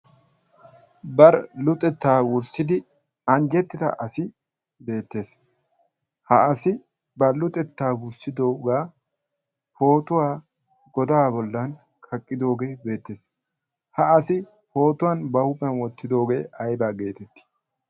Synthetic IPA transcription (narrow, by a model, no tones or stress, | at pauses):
bɐɾlʊt̪ʼɛt̪ːaːwʊɾsɪd̪ɪ | ɐnd͡ʒɛt̪ːɪd̪ɐ̰ʔɐsɪ | be̞ːt̪ːe̞ːs | hɐʔɐsɪ | bɐlʊt̪ʼɛt̪ːaːwʊɾsɪd̪o̞ːɡaː | fo̞ːt̪ʊwaː | ɡɔd̪aːbɔlːɐn | kʰɐkʼːɪd̪o̞ːɡe̞ːbe̞ːt̪ːe̞ːs | hɐʔɐsɪ | po̞ːt̪ʊwaːnbɐhʊpʼɛnwɔt̪ːɪd̪o̞ːɡe̞̰ːʔɐjbaːɡe̞ːt̪ɛt̪ːɪ̥